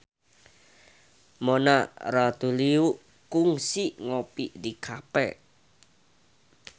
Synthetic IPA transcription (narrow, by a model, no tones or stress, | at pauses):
monaɾat̪uliu | kuŋsiʔŋopidikʰapɛ̰